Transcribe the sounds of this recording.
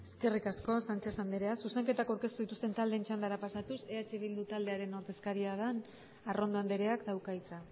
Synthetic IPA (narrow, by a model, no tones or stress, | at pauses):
eske̞rikasko̞sant͡ʃe̞sand̪eɾe̞asuse̞ŋke̞t̪akawɾke̞st̪uðit̪ust̪e̞nt̪ald̪e̞ːnt͡ʃand̪aɾapasat̪useat͡ʃeβild̪ut̪ald̪e̞aɾe̞noɾt̪e̞skaɾiaðan | aro̞nd̪o̞and̪eɾe̞akd̪awkajt͡sa